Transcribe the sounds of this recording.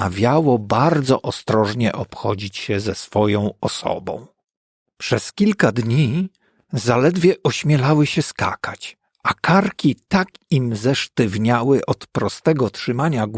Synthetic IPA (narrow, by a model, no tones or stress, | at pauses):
a̰vʲjawɔbaɾd̪zɔʔɔst̪ɾɔʐɲɛʔɔpxɔd͡ʑit͡ɕɕɛzɛsfɔjɔ̃w̃ɔsɔ̰bɔ̰̃w̃ | pʂɛskʲilkad̪ɲi | zalɛd̪vʲjɛʔɔɕmʲjɛlawɘɕɛska̰kat͡ɕ | ʔakaɾkʲit̪akimzɛʂt̪ɘvɲawɘʔɔt̪pɾɔst̪ɛɡɔtʂɘmaɲaɡ